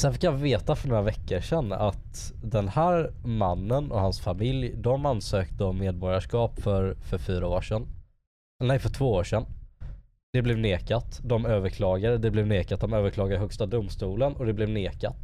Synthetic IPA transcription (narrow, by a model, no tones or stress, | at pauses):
sɛnfɪkːjaveːt̪afœɳoːɾavɛkːəɾʂɛnːa̰t̪ | d̪ɛnhæːɾmanːənɔ̰hansfamɪljd̪ɔmansøːkt̪əɔmeːd̪̚bɔːɾjaʂkɑːpfœɾfœɾfyːɾaoːʂɛn | nɛjfœʈʰv̥oːoːʂɛn | d̪̥ɛblɛvneːkat̪d̪ɔmøːvəɾkʰlɑːɡaɾəd̪ɛblɛvneːkat̪̚d̪ɔmøːvəɾkʰlɑːɡad̪əɦœkst̪ad̪ʊmst̪uːlənɔd̪ɛblɛvneːka̰t̪